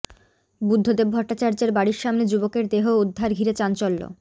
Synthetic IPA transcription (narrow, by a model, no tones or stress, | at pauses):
bud̪ʱːod̪ebbʱɔʈːat͡ɕaɾd͡ʑeɾbaɽiɾʃamned͡ʑubokeɾd̪eɦoud̪ʱːaɾɡʱiɾet͡ɕant͡ɕolːo̰